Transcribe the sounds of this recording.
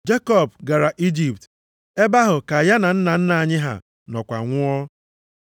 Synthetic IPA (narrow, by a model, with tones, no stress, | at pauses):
d͡ʒe˦kɔ˦˨b̚ɡa˨ɾa˨ʔi˦d͡ʒi˨pt | e˦ba˦ɦʊ˨ka˨ja˦na˨n̩˦na˨n̩˦na˨ɲɪ˦ɦa̰˨ | nɔ˨kʷa̰˨ŋʷʊ˦ɔ˦